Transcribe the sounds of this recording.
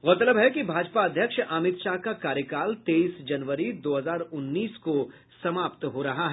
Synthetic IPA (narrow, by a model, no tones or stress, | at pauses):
ɣoːt̪ələbɦɛkibʱaːd͡ʒpaɐd̪ʱjəkʃaːmɪt̪ʃakakaːɾjəkaːlt̪eːiːsd͡ʒɐnʋəɾid̪oːɦɐzaːɾʊnːiːsko | sɐmaːpt̪ɦoɾɐɦaɦɛ